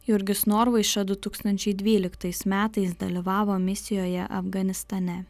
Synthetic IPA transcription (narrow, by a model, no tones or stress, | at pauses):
jʊɾʲɡʲɪsnoːɾʋɐɪʃɐd̪ʊt̪uːkst̪ɐnʲt͡ʃʲɛɪd̪ʲʋʲiːlʲɪkt̪ɐɪsmʲæːt̪ɐɪs̬d̪ɐ̰lʲɪʋɑːʋoːmʲɪsʲɪjoːjɛʔɐ̰fɡɐnʲɪst̪ɐnʲɛ